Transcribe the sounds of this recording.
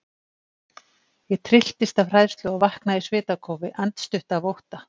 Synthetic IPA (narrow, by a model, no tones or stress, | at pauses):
jɛt̪ʰɾɪl̥t̪ɪst̪avr̥ajðst̪lʏavahknaisvɪːt̪akʰowvɪʔant̪st̪ʏht̪avowht̪a